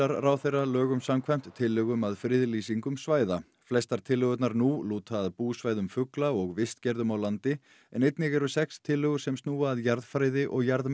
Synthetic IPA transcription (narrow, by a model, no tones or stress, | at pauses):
aɾrawθejralœːɣʏmsamkʰvajm̥t̪ʰːɪlːʏɣʏmaðfɾɪðliːsiŋkʏmsvaːjða | flɛst̪aɾ̥t̪ʰɪlːʏɣʏt̪naɾnuluːt̪ʰaːðpuːsvaːjðʏmfʏklaɔɣvɪst̪cɛɾðʏmawlant̪ɪ | ɛnejt̪nɪɣɛɾʏsɛkst̪ʰɪlːʏɣʏɾ̥sɛmst̪nuːaːðjaɾðfɾajðɪʔɔɣjaɾð